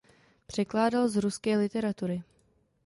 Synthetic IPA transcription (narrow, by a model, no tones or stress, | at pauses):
pr̝̥ɛklaːdalzɾuskɛːlɪt̪ɛɾat̪uɾɪ